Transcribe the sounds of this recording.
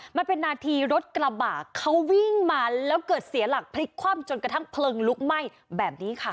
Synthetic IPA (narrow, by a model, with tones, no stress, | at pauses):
ma˧npe˧nːaː˧t̪ʰiː˧ɾo˦˥t̪̚kɾa˧baː˨˩kʰːa˦˥wwi˥˩ŋmaː˧lɛː˦˥wkɤː˨˩t̪̚si˨˩˦la˨˩k̚pʰa˧li˦˥t̪̚kʰwaː˥˩mt͡ɕo˧nkɾa˧t̪ʰa˥˩ŋpʰlɤː˧ŋlu˦˥k̚ma˥˩j | bɛː˨˩p̚niː˦˥kʰa˦˥˩